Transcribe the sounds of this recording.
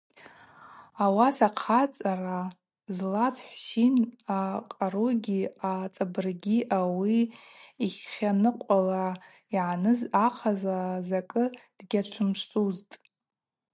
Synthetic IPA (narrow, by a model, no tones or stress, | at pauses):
awasaqʰat͡sʼara | zlat͡sʰʼħʷsinaqʼaɾuɡʲiat͡sʼabɨrɡʲiʔawiː | χχʲanɨqʷʼala | iʕanɨzaqʰazazakʼɨd̥ɡʲat͡ʃʷʰɨmʂʼuztʼ